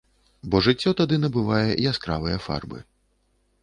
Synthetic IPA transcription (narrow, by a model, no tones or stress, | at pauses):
bɔʐɨt͡sʲːɔt̪ad̪ɨnɐbɨvajɛʔiaskɾavɨjɐfa̰rbɨ̰